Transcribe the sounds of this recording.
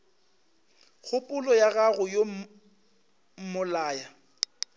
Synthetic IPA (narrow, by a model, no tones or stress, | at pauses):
ɣʰʊpʼʊlɔjaɣaɣʊjo | mʊlaːja